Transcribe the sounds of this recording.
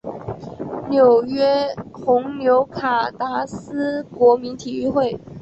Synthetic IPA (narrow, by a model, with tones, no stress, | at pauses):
njo˨˩ʊɥɛ˥xʊ˧˥ŋnjo˧˥ʊkʰa˨˩t̪a˧˥sɹ̩˥kwɔ˧˥mi˧˥nt̪ʰi˨˩y˥˧xwe˥˩ɪ